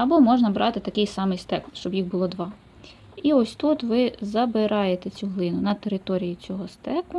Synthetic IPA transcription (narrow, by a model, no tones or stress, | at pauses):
ɐbɔmɔʒnɐbɾʔɑt̪ɪt̪ɐkɪjsɑmɪjst̪ɛkʃt͡ʃɔbjiɣbʊlˠɔd̪ʋɑ | iɔsʲt̪ut̪ʋɪzɐbɪɾʔɑjet̪et͡sʲuɦlˠɪnʊnɐt̪eɾɪt̪ɔɾʲijit͡sʲɔɦɔst̪ɛkʊ